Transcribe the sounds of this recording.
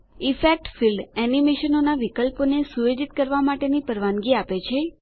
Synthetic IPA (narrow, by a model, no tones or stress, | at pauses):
ifek̚ʈfilɖɛnimeʃənonaʋikəlponesuʋed͡ʒit̪̚kəɾʋamaʈenipəɾʋanɡiapet͡ʃʰe